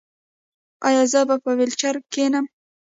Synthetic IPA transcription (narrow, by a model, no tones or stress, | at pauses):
ɑ̰jɑzəbapəwelt͡ʃaɾkenəm